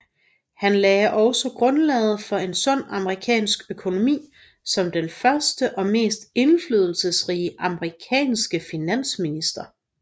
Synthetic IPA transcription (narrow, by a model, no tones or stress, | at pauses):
hænlɛːɐʔɒ̽ʊsɒ̽ɡ̥ʁɔ̽nlɛ̰ːð̞̩ˠfɒ̽e̝nsɒ̽n̰ɑ̈məʁikʰɛ̰ːnsɡ̥økʰo̝no̝mḭː | sɒ̽md̥enfɶɐsd̥əʔɒ̽me̝̰ːsd̥e̝nflyð̞ˠl̩səsʁiːəʔɑ̈məʁikʰɛ̰ːnsɡ̥əfinæn̰sminisd̥ɐ